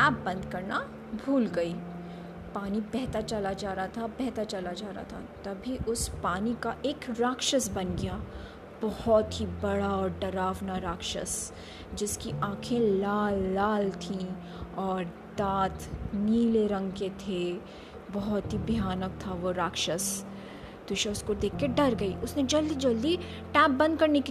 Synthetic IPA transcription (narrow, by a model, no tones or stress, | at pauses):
aːb̚ːɐ̃nd̪kɐɾna | bʱuːlɡɐiː | paːnibɛɦt̪aɾt͡ʃɐlad͡ʒaːɾat̪ʰabɛɦt̪aɾt͡ʃɐlad͡ʒaːɾa̰ːt̪ʰa̰t̪ɐbʱiʔʊspaːnikaʔeːkɾaːkʃəsbɐnɡɪjaː | b̥ɔhɔt̪ɦibɐɽaɔːɾɖɐɾaːʋnaɾaːkʃə̰s | d͡ʒɪskiʔãːkʰẽlaːlːaːlt̪ʰĩ | ɔːɾ | d̪aːt̪ʰniːleɾɐ̃ŋɡket̪ʰe | bɔɦɔt̪ɦibʱjaːnək̚t̪ʰaʋoɾaːkʃəs | d̪̥ʊʃaʊskod̪eːkʰːeɖɐɾɡɐiʊsnẽd͡ʒɐld̪id͡ʒɐld̪i | ʈɛːp̚bɐ̃nd̪̚kɐɾnek